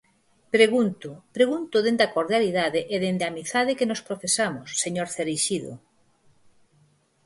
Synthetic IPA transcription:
pɾeɣunt̪ʊpɾeɣunt̪ʊðend̪akoɾðjaliðaðeʔeðend̪amiθað̞ɪkenospɾofesamʊsːeɲoɾθeɾiʃiðʊ̰

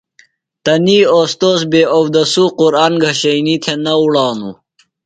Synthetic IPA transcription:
t̪ɐniːost̪oːsbeːowd̪ɐsuquɾaːnɡʱɐɕɐnit̪ʰenɐuɽaːnṵ

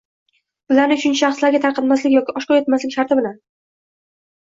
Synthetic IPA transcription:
b̥ʊlaɾnɪʊt͡ʃʰʊnt͡ʃɪʃɑχslaɾɡʲat̪ʰaɾqʰɑt̪maslɪkʲjɒkʲɪɒʃkɒjet̪maslɪkʲʃaɾt̪ʰɪbɪlan

